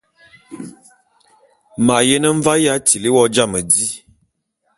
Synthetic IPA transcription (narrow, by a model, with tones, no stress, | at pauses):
ma˨je˦nə˦ɱ˦va˦ja˦ti˨li˦wɔ˦d͡ʒa˦˨mə˨di˦